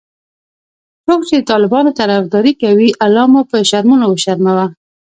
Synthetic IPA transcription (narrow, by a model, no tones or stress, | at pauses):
sok̚t͡ʃed̪ət̪ɑlɪbɑnot̪aɾafd̪ɑɾikawiʔalːɑmupəʃaɾmunowəʃaɾmawa